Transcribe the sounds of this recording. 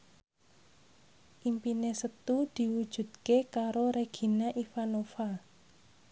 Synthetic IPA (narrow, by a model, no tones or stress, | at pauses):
ʔimpinesət̪ud̪̥i̤wud̥ʒ̥ṳd̪̥̚kekaɾoɾeɡ̥i̤naʔifanofa